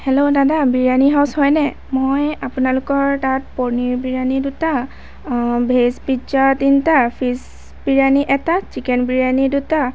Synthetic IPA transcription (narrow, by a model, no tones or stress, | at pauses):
hɛlodadabiɹaniɦawshɔjnɛ | mojapunalʊkɔɹtat̚pɔɹniɹbiɹaniduta | bʱesbid͡ʒatintapʰis | biɹaniʔɛtat͡ʃikɛnbiɹaniduta